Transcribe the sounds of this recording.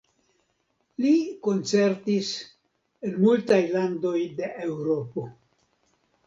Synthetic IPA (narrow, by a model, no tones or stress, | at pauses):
liko̞nt͡se̞ɾtis | enmultajlando̞jde̞ʔewɾo̞po̞